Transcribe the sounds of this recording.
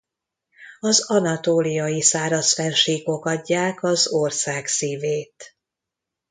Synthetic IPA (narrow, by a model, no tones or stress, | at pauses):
ɒzɒnɒt̪oːlijɒjisaːɾɒsfɛnʃiːko̞kɒɟːaːkɒzorsaːksiːveːt̪